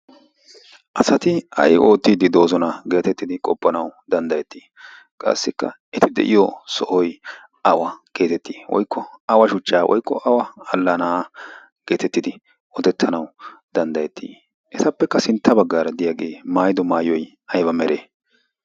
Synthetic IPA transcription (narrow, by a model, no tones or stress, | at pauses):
ʔɐsɐt̪ɪɐ̰jʔo̞ːt̪ːiːd̪ɪd̪o̞ːzɔnɐɡe̞ːt̪ɛt̪ːɪd̪ɪkʼɔpːɐnɐwd̪ɐnd̪ɐjɛt̪ʰːiː | kʼa̰sːɪkːɐ̰ | ɛt̪ɪd̪ɛ̰ʔɪjɔsɔʔɔj | ɐwɐɡ̥e̞ːt̪ɛt̪ːiːwɔ̰jkːɔɐwɐʃʊt͡ʃːaːwʔɔ̰jkːɔʔɐwɐɐlːanaː | ɡ̥e̞ːt̪ɛt̪ːɪd̪ɪ | ɔt̪ɛt̪ʰːɐnɐwd̪ɐnd̪ɐjɛt̪ʰːiː | ʔɛt̪ɐpːɛkːɐsɪnt̪ːɐbɐɡːaːɾɐd̪ɪjaːɡe̞ːmaːjɪd̪ɔmaːjɔj | ɐjbɐmɛɾeː